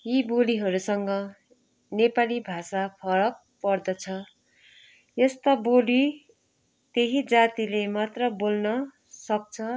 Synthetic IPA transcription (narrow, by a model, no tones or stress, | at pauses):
jiboliɦʌɾusʌŋɡʌ | nepalibʱasapʰʌɾʌk̚pʌrd̪ʌt͡sʰʌ | jest̪ʌboli | t̪eɦid͡zat̪ilemat̪rʌbolnʌ | sʌk̚t͡sʰʌ